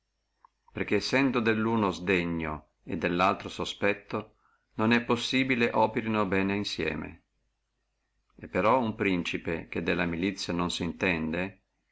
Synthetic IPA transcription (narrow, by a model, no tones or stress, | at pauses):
perk̟eːsːɛnd̪od̪elːuːnozd̪eɲːo | ed̪ːelːalt̪ɾosospɛt̪ːo | nonɛpːosːiːbileʔɔːpeɾinobɛːneinsjɛ̰ːmḛ | epːeɾɔumpɾint͡ʃipek̟ed̪ːelːamilit̪sːjanonsint̪ɛnd̪e